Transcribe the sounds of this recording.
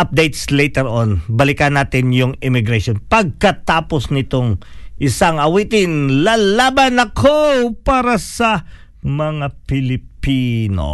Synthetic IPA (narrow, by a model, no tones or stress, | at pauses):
ʔɐp̚d̪ejt̪slejt̪ɛɾʔonbɐlɪkɐnaːt̪ɪnjʊŋɪmɪɡɾɐʃonpɐɡ̚kɐt̪aːposnɪt̪oŋʔɪsaŋɐwiːt̪ɪnlalabɐnɐkʰopaːɾɐsɐ | mɐŋapɪlɪpino̰